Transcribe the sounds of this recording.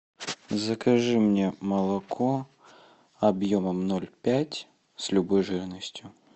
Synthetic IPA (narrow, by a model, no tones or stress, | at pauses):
zəkɐʐɨmnʲe̞məlˠɐkʰo | ɐbjoməmnolʲpʲætʲ | sʲlʲʊbojʐɨɾnəsʲtʲjʊ